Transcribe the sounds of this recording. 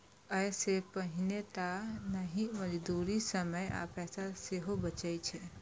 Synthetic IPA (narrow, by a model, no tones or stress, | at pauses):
əːsepəɦɪnet̪anəɦĩməd͡ʒd̪uːɾisəməja̰ːpɛːsaseɦobət͡ʃait͡ʃʰe